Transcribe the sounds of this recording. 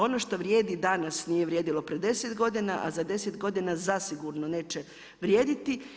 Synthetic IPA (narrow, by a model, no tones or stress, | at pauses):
o̞no̞ʃt̪o̞ʋɾje̞ːd̪id̪anasnijeʋɾjeːd̪ilo̞pɾed̪e̞set̪ɡo̞d̪inaʔa̰zad̪e̞set̪ɡo̞d̪inazasiɡuɾnone̞ːt͡ʃe | ʋɾjeːd̪it̪i